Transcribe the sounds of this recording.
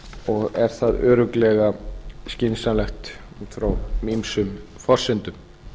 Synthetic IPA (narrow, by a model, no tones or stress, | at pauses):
ɔɣɛɾ̥θaðœːɾʏklɛɣascɪnsalɛxt̪ | fɾawmimsʏm | fɔr̥sɪnt̪ʏm